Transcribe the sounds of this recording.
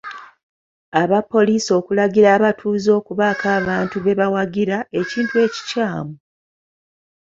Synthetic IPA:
aβapːo̞liːso̞ːkulaɡiɾaːβatʰuːzo̞ːkuβakʰaːβaːntuβe̞βawaɡiɾae̞ciːntue̞ːci̥caːmu

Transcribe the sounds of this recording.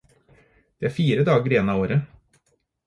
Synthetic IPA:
d̪̥eæɾfiːɾəd̪ɑːɡəɾɪɛnɑoːɾə

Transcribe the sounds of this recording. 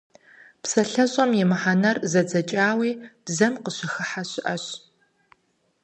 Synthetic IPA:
psɐɬɐɕʼɐmjɪmɨħanɐrzɐd͡zɐt͡ʃʼaːwiːb̥zɐmqəɕɪxɨħaɕɪʔɐɕ

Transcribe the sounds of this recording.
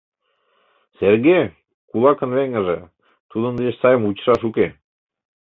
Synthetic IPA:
serɣe | kulˠɑkə̆nβeŋə̆ʒĕ | t̪ud̪ə̆nd̪et͡ɕsɑjəmut͡ɕʃɑʃuke

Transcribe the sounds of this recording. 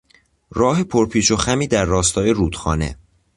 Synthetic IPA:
rɒːɦepʰoɾpʰiːʃo̞xæmiːd̪æɾːɒːst̪ʰɒːje̞ɾuːd̪̥xɒ̰ːne̞̰

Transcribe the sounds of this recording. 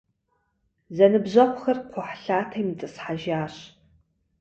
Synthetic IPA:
zɐnɨbʑɐqʷʰʼxɐrqʷʰʊħɬaːtʰɐjmit͡sʼɨsħaʒaːɕ

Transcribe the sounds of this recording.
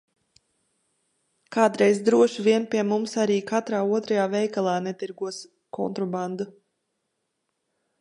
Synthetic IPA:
kaːt̪ɾɛjzd̪ɾuɔʃviɛnpʲiɛmumsaɾiːkʰat̪ɾaːuɔt̪ɾajaːvɛjkalˠaːnɛt̪iɾɡuɔs | kʰɔ̰nt̪ɾɔband̪u

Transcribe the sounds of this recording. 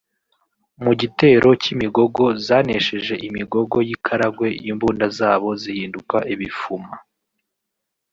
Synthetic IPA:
muɟite̞ːɾo̞cimiɡo̞ɡo̞zaːne̞ʃe̞ʒe̞ʔimiɡo̞ɡo̞jikʰaɾaɡwe̞jimbuːndazaːβo̞zihiːndukaʔiβifuma

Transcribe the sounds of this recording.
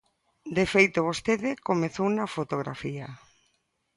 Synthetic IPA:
d̪efejt̪oβ̞ost̪eðɪkomeθownafot̪oɣɾa̰fia

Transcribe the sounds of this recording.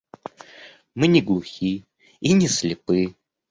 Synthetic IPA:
mɨnʲɪɡlˠuxʲi | inʲɪslʲɪpɨ

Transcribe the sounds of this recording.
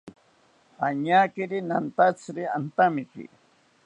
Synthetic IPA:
aɲaːkiɾinant̪at͡sɾiant̪amikḭ

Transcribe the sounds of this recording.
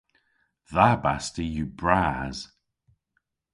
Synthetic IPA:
ðabastijubɹaz̥

